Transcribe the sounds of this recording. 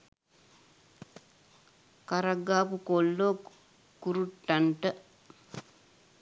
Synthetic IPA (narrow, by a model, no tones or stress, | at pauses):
kaɾaɡːaːpukolːo | kuɾuʈːaɳʈə